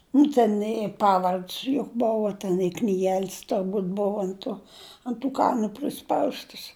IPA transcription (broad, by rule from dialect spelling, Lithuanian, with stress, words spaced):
nʊ ˈtʲɛn ɪ ˈpɑːʋɐrʲtʲsʲ jʊk ˈboːʋɐ tʲɛn ɪ knʲiːˈɡʲɛlʲsʲ tʊrˈbuːtʲ ˈboːʋɐ ɐnt ˈtoː ɐnt tuː ˈkɑːnʊ pʲrʲɪˈspɐʊstəs